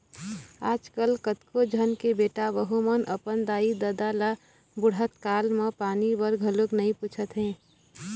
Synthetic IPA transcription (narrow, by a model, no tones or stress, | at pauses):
aːd͡ʒkəlkət̪kod͡ʒʱənkebeːʈaʋəɦumənʔəpənd̪aːid̪əd̪ala | bʊɽət̪kaːlmə̃paːnibəɾɡʱəlʊknɐĩpuːt͡ʃʰət̪ɦɛ̃ː